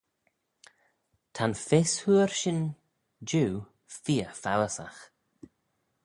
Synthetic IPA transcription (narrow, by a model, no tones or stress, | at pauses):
t̪ʰanfɪshuːəɹʃɪn | d͡ʒuː | fiːəfawəsa̰x